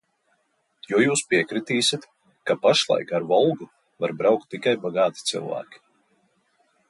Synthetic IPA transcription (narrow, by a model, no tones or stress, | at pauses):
juɔjuːspiɛkɾit̪iːsʲit̪ | kapaʃlˠa̰jkaɾvɔlˠɡu | vaɾbɾawk̚t̪ːikajbaɡɑːt̪i̥t̪sḭlˠvæ̰ːkʲi̥